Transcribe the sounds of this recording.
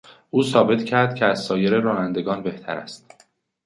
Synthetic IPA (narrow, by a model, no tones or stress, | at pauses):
ʔuːsɒːbe̞t̪cʰæɾd̪̚cʲʰeæzsɒːjeɾeɾɒːnænd̪e̞ɡɒːnbe̞ht̪ʰæ̰ɾæ̰st̪̚